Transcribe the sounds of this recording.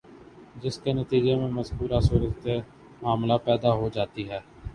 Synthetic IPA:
d͡ʒɪskenət̪iːd͡ʒeːmẽməzkuːɾaːsuːɾət̪e | maːmlaːpɛːd̪aːɦoːd͡ʒaːt̪iːɦɛː

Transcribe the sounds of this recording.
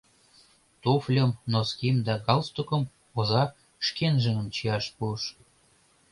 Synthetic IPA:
t̪oflʲəmnoskʲimd̪ɑɡɑlst̪okə̆m | ozɑ | ʃkenʒə̆ŋə̆mt͡ɕijɑʃpuəʃ

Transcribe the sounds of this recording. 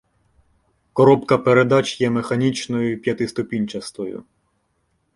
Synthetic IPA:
kɔɾɔpkɐpeɾed̪ɑt͡ʃʲjɛmexɐnʲit͡ʃnɔjʊpʲjɐt̪ɪst̪ʊpʲinʲt͡ʃɐst̪ɔjʊ̰

